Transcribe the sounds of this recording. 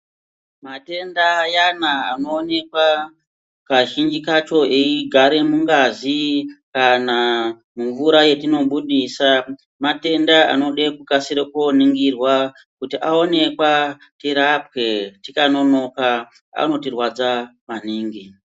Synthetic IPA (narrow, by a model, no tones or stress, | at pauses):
mate̞ndajanaa̰no̞ːne̞kwa | kaʒind͡ʒikat͡ʃo̞eiɡʱaɾe̞muŋɡazikana | muɱvuɾaje̞tino̞ɓuɗisa | mate̞ndaa̰no̞ɗekukasiɾekoniŋɡirwa | kutiʔao̞ne̞kwa | tiɾap̚we̞tikano̞no̞ka | a̰no̞tirwad͡zamaniːŋɡi